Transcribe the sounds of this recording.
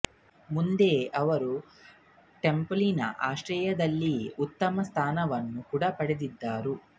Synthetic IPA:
mund̪e̞ːʔɐʋɐɾu | ʈe̞mplinɐ̰ʔaːʃɾɐjɐd̪ɐlːiut̪ːɐmɐst̪ʰaːnɐʋɐnːukuɽɐpɐɽed̪id̪ːaːɾu

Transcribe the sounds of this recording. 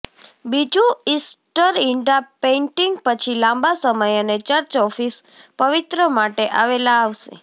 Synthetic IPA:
bid͡ʒũisʈəɾiɳɖapeiɳʈiŋɡpət͡ʃʰilãmbasəməjənet͡ʃəɾt͡ʃɔfis | pəʋit̪ɾəmaʈeʔaʋelaːʋʃḛ

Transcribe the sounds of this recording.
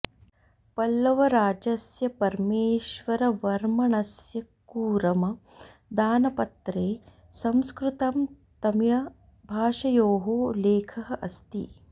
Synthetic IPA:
pɐlːɐʋɐɾaːd͡ʒɐsjɐpɐɾmeːʃʋɐɾɐʋɐɾmɐɳɐsjɐkuːɾɐmɐ | d̪aːnɐpɐt̪ɾeː | sɐmskɾut̪ɐm | t̪ɐmiɻɐ | bʱaːʃɐjoːɦoːleːkʰɐɦɐʔɐst̪ḭ

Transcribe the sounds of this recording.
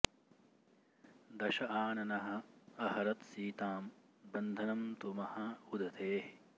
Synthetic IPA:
d̪ɐʃɐaːnɐnɐɦɐ̆ɐhɐɾɐt̪siːt̪aːm | bɐnd̪ʱɐnɐmt̪umɐhɐud̪ʱɐt̪ʰeːh

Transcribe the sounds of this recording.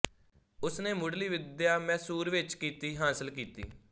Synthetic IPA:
ʊsneːmʊɽliːʋɪd̪jaːmɛːsuːɾʋɪt͡ʃkiːt̪iːɦaːsəlkiːt̪ḭː

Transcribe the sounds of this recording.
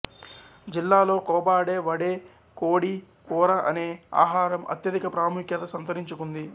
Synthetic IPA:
d͡ʒilːaːlo̞ːkɔːbaːɽe̞ːʋɐɽe̞ː | koːɽi | kuːɾɐʔɐneːa̰ːɦaːɾɐmɐ̰t̪jɐd̪ikɐpɾaːmukjɐt̪ɐsɐnt̪ɐɾiɲt͡ʃukund̪i

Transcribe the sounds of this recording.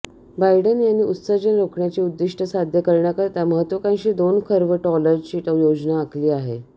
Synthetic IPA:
bajɖənjanːiːut̪səd͡ʑənɾokʰɳjat͡ɕiːud̪ːiʂʈəsad̪ʱjəkəɾɳjakəɾt̪jaməɦət̪ʋəkãjɕiːd̪onkʰəɾʋəʈɔləd͡ʑt͡ɕiːʈəjod͡ʑnaːkʰliːaɦe

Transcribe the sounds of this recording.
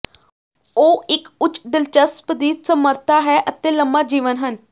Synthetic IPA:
oːɪkʊt͡ʃːɖɪlt͡ʃəspd̪iːsəməɾt̪aːɦɛːʔət̪eːləmbaːd͡ʒiːʋənɦən

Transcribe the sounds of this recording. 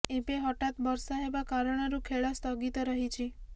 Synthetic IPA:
ebeɦɔʈat̪bɔɾsɔɦebakaɾɔɽ̃ɔɾukʰeɭɔst̪ɔɡit̪ɔɾɔɦit͡ʃʰi

